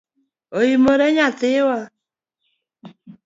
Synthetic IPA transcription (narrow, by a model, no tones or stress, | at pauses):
ojimoɾɛɲatɪwa